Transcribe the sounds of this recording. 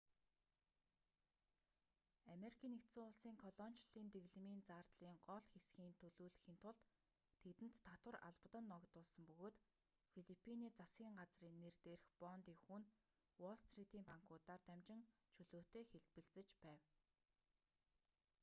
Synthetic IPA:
ameɾikʰiːnekt̪sʊːʊɮsiːŋkʰɔɮɔn̥t͡ɕɮiːnt̪eɣɮ̆miːnt͡saːrt̪ɮiːŋɢɔɮxesɡiːnt̪ʰɵɮuːɮ̆xiːnt̪ʰʊɮt̪ʰː | et̪ɘ̆nt̪ʰːat̪wə̆ra̰ɮpt̪ə̆nːɔkt̪ʊːɮsə̆mpɵɣoːt̪ | fiɮipʰːiniːt͡sasɡʲiːŋɢat͡sriːnːert̪eːrxpɔnt̪iːkxuːn | wɔɮst̪rit̪iːmpaŋkʰʊːt̪aːrt̪æmt͡ɕɪ̆ŋ | t͡ɕʰɵɮoːt̪eːxeɮpɘ̆ɮt͡sɘ̆t͡ɕpæːw

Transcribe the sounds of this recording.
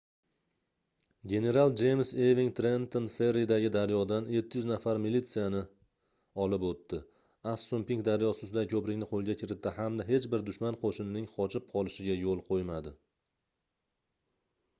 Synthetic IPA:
ɡʲe̞ne̞ɾalˠd͡ʒe̞jmse̞viŋt̪ɾe̞nt̪onfe̞ɾid̪aɡʲɪd̪aɾjɒd̪anje̞t̪ʰːɪjʏznafaɾmilit̪sijanɪ | ɒlɪpot̪ʰːɪ | ast̪ompiŋkd̪aɾjɒsɪsʊd̪ajkʲʰɵpɾɪkʲnɪqʰolˠɡʲakʲʰɪɾɪt̪ʰːɪhamd̪aɦe̞t͡ʃbɪɾd̪ʊʃmanqʰoʃɪnɪnɪŋqʰɒt͡ʃʰɪp̚qʰɒlˠɪʃɪɡʲajolˠqʰojmad̪ɪ

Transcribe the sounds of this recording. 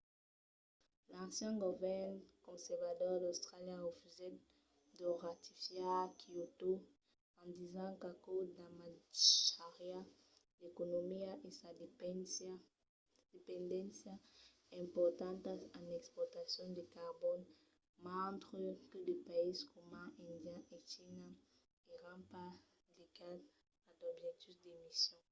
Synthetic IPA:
lãnsjãŋɡovɛʁnkõnsɛɾvad̪ɔʁd̪awst̪ʁaljaʁefyze | d̪oʁat̪ifjakʰiot̪o | ãnd̪izãŋkakod̪amaʃaʁja | d̪ekonomiaʔesad | d̪̥epẽnd̪ɛ̃nsja | ẽmpɔɾt̪ãnt̪asãnɛkspɔɾt̪asjɔ̃nd̪ekaʁbɔn | mãnt̪ʁeked̪epaiskomãʔẽnd̪jaʔet͡ʃina | eʁãmpa | liɡat̪ | ad̪ɔbʒɛk̚t̪uzd̪emisjɔ̃ŋ

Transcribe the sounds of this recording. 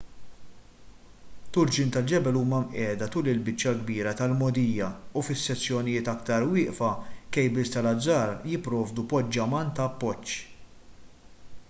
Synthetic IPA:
t̪ʊɾd͡ʒɪnt̪ɐld͡ʒɛbɛluːmɐmʔɛːd̪ɐt̪uːlɪlbɪt͡ʃːjɐɡbiːɾɐt̪ɐlmɔd̪ijːɐufɪsːɛt͡sːjɔnɪjɪːt̪ɐkt̪ɐɾwɪːʔfɐkɛjbɪst̪ɐlɐd͡zːɐːɾjɪpːɾɔːvd̪upɔd͡ʒːɐmɐnt̪ɐːpːɔt͡ʃː

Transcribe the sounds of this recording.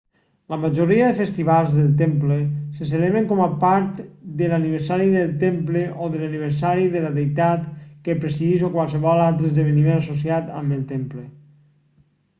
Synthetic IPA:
ləməʒoɾiəðəfəst̪iβalˠzðəlˠt̪empləsəs̬eleβɾəŋkɔmapaɾt̪d̪əlaniβəɾsaɾiðəlˠt̪empləʔoðəlaniβ̞əɾsaɾiðələðejt̪at̪kəpɾesiðisokwalˠsəβ̞ɔlalˠt̪ɾəzðəβ̞ənimenasosiat̪ə̰məlˠt̪emplə

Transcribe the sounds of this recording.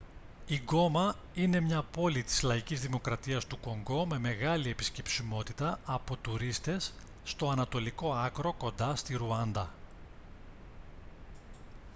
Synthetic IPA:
iɡo̞mɐ | ine̞mɲɐpo̞lit̪i̥zlɐicizðimo̞kɾɐt̪iɐst̪uko̞ŋɡo̞me̞me̞ɣɐlie̞pi̥sce̞psimo̞t̪it̪ɐɐpot̪uɾist̪e̞sː | t̪o̞ɐnɐt̪o̞liko̞ɐkɾo̞ko̞nd̪ɐst̪iɾuɐnd̪ɐ

